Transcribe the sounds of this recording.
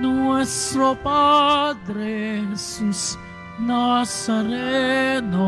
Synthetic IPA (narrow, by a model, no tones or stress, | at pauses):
nuɛst̪ɾopad̪ɾesus | nasaɾeno